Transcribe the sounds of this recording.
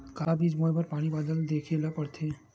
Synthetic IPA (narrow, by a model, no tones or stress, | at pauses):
kabid͡ʑmojbaɾpaɽ̃ibad̪əld̪ekʰilapəɾt̪ʰe